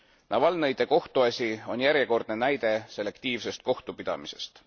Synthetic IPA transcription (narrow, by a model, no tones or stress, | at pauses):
nɑvɑlnɤjd̪̥e̞ko̞ht̪uɑsʲio̞njæɾjeko̞rd̪̥ne̞næjd̪̥e̞se̞le̞kt̪iːvse̞st̪̚ko̞ht̪upid̪̥ɑ̰mise̞̰st̪